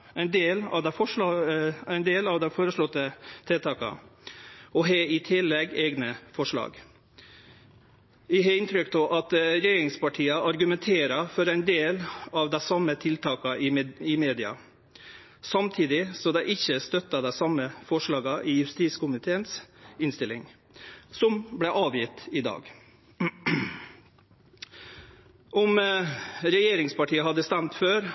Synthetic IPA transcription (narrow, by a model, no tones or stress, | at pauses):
æɪnd̪eːlɑ̰ʋd̪ɛfɔʂɑæɪnd̪eːlɑʋd̪ɛfoːɾəʂɭɔt̪ːət̪ʰelt̪ʰɑːkɑ̰ | ɔɦeɪt̪ʰɪlːɛɡeːɡnəfɔʂɭɑ̰ːɡ | ʋɪɦɑːɪnt̪ʰɾʏkt̪ʰoʔɑt̪ɾɛjeːɾɪŋspɑʈʰiːɑʔɑɾɡʉmɛnt̪ʰeːɾɑfɔɾæɪnd̪eːlɑʋd̪æsɑmːət̪ʰɪlt̪ʰɑːkɑɪɪmeːd̪ɪɑ̰ | sɑmt̪ʰiːd̪ɪsɔd̪ɛɪʔɪçːəst̪œt̪ːəd̪æsɑmːəfɔʂɭɑːɡɑʔɪːjʉst̪iːskʊmɪt̪ʰeːənsɪnst̪ɪlːɪŋ | sɔmblæʔɑːʋjɪt̪ɪd̪ɑ̰ːɡ | ʔɔm | ɾɛjeːɾɪŋspɑʈʰiːəɦɑd̪əst̪ænt̪føːɾ